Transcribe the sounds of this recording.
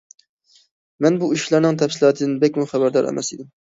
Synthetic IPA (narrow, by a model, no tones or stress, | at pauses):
mɛnbuiʃʃlˠɑɾnɨŋt̪ʰɛfsɨlˠɑːt̪ʰɨd̪ɨnbɛkʲmuχæbæɾd̪ɑɾʔɛ̰mʔɛ̰sid̪ɪm